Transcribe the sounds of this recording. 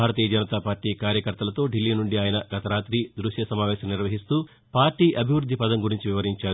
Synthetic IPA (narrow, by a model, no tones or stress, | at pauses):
aːɾɐt̪iːjɐd͡ʒɐnɐt̪aːpaːɾʈiːkaːɾjɐkɐɾt̪ɐlɐt̪o̞ːɖilːiːnuɳɖiaːjɐnɐɡɐt̪ɐɾaːt̪ɾid̪ɾuʂjɐsɐmaːʋɛːʃɐmniɾʋɐɦist̪uː | paːɾʈːiːʔɐbʱiʋɾud̪ʱːipɐd̪ɐmɡuɾiɲt͡ʃiʋiʋɐɾiɲt͡ʃaːɾ